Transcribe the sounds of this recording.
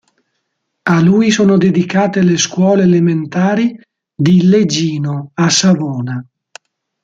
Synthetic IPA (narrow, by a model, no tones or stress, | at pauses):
aluːjsoːnod̪ed̪ikaːt̪eleskwɔːleːlement̪aːɾi | d̪iled͡ʒiːnoasavɔːna